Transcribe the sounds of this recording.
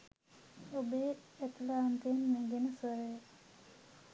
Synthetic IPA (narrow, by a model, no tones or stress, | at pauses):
obeːt̪laːnt̪iənmeɡenəsʋəɾeje